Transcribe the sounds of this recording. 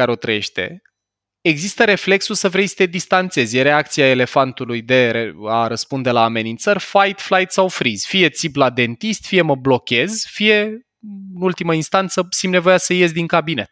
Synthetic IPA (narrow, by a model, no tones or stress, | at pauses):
aɾeo̞t̪ɾəje̞̰ʃt̪e̞̰ | eɡzist̪əɾe̞fle̞ksulsəvɾe̞jsə̥t̪e̞d̪ist̪ant̪se̞zʲjeɾe̞ak̚t̪siae̞le̞fant̪ulujd̪e̞ɾeaɾəspund̪e̞laːme̞nint̪sərʲfajt̪flajt̪sawfɾiz̥fije̞t̪siblad̪e̞nt̪ist̪fije̞məblo̞kʲe̞zfije̞ | ɨnult̪iməinst̪ant̪səsimne̞vo̞jasəje̞zʲd̪iŋkabine̞t̪̚